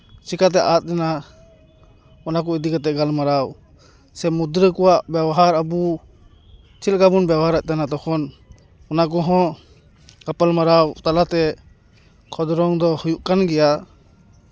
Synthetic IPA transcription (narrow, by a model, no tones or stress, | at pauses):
t͡ʃikat̪̬ɛʔat̪̚ˀd̪ɛna | ɔnak̬ɔid̪ikat̪ɛɡalmaɾaw | sɛmud̪ɾəkɔwaʔbjawaɦaɾabu | t͡ʃʰil̚kabunbjawɦaɾaʔ̚ˀt̪anat̪ɔkʰɔn | ɔnak̬ɔɦɔ̃ | kapalmaɾawt̪alat̪ɛ | kʰɔd̪ɔɾɔŋd̪ɔhujuʔkanɡɛja